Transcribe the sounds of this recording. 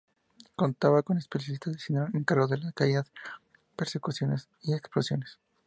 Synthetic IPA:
ko̞nt̪aβako̞nespeljalist̪aðesinoeŋkaɾɣoðelakajað | peɾsekusjo̞nes | ieksplosjo̞nes

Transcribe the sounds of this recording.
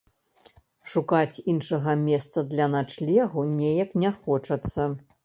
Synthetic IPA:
ʂukat͡sʲinʂɐɣɐmʲɛst̪sɐd̪lʲɐnat͡ʂlʲɛɣunʲejɐknʲɛxɔt͡ʂɐt̪sːɐ

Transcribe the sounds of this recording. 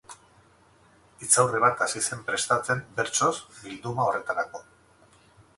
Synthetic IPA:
it͡sawreβ̞at̪asise̞mpɾe̞st̪at͡se̞mbe̞ɾt͡so̞zbild̪umao̞re̞t̪aɾako̞

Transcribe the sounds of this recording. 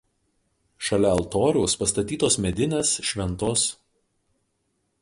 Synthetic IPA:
ʃɐlʲɛɐlˠt̪oːɾʲuːspɐst̪ɐt̪ʲiːt̪oːsmʲɛd̪ʲɪnʲeːsʃʲʋʲɛnˑt̪oːs

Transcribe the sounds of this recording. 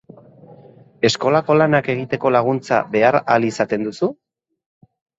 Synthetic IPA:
e̞sko̞lako̞lanake̞ɣit̪e̞ko̞laɣ̞unt͡sa̰βe̞aɾalisat̪e̞nd̪usu

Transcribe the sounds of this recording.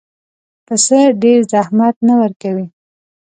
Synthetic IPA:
pəsəɖeɾzahmat̪nawəɾkawi

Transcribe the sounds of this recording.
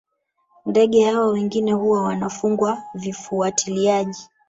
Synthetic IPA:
ndɛɠɛhawɔwɛŋɡinɛhuwawanafuŋɡwavifuatʰiliaʄi

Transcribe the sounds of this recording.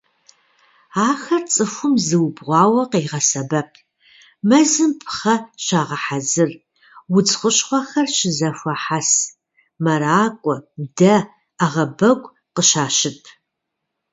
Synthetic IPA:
aːxɐrt͡sʼɨfʷʊmzɨwbʁʷɑːwɐqeːʁɐsɐbɐpʰ | mɐzɨmpʰχɐɕaːʁɐħazɨr | wʊt͡sʼχʷʊɕχʷɐxɐrɕɪzɐfʷɐħas | mɐɾaːkʷʼɔdɐ | aʁɐbɐɡʷʼ | qəʃaːʃɪpʰ

